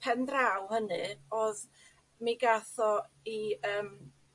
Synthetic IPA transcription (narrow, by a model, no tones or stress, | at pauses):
pʰɛndrawhənɨɔð | miɡaθɔ | iəːm